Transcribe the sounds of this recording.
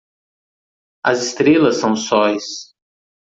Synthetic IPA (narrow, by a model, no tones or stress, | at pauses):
ɐzɪst̪ɾelɐsːɐ̃w̃sɔjs